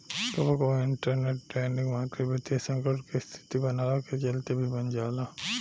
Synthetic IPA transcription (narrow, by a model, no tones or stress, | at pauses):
t̪obəkoɪɳʈəɾneʈːɾeːɳɖɪ̃ŋɡmãːt̪ɾibʱit̪esə̃ŋkəɾʈkest̪ʰi̥t̪ibɐnaːlaket͡ʃɐlt̪ebʱibɐnd͡ʒaːlaː